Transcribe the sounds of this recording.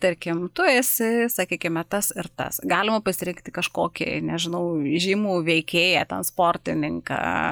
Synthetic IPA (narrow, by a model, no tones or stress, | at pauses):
t̪ɐɾʲkʲɪmt̪ʊɾʲeːsʲɪsɐkʲiːkʲɪmɛt̪ɐsɪɾt̪ɐ̰sɡɑːlʲɪmɐpɐsʲɪɾʲɪŋkt̪ʲɪkɐʃkoːkʲɪ̰nʲɛʒʲɪnɐʊʒʲiːmuːʋʲɛɪkʲeːjɛt̪ʲɛnspoːrʲt̪ʲɪnʲɪŋkɑ̰ː